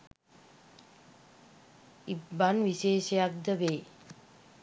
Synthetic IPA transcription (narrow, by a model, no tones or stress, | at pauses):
ibanʋiʃeːʃejak̚d̪əʋeː